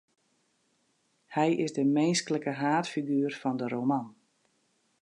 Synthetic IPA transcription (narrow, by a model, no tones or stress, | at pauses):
hɛjʔɪzdəmejnskələkəɦaːtfiɡyːrfɔndəɾowman